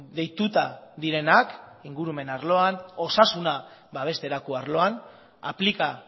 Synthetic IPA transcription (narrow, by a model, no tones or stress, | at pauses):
d̪e̞jt̪ut̪aðiɾe̞nakiŋɡuɾume̞naɾlo̞ano̞sasuna | baβ̞e̞st̪e̞ɾakoaɾlo̞an | a̰plika